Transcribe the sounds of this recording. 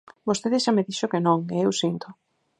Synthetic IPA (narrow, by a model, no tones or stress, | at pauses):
bost̪eðɪʃameðiʃokenõŋeewsint̪ʊ